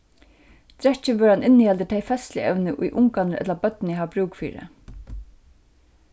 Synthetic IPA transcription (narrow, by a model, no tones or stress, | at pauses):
t̪ɾɛt͡ɕːɪʋœːɾanʔɪnːɪhɛlt̪ɪt̪ʰejfɛst̪lɪ̰ʔɛ̰wnɪʔʊ̰jʔʊŋkanɪɾʔɛ̰t̪labœt̪nɦaʋbɾuːkfḭːɾɪ̰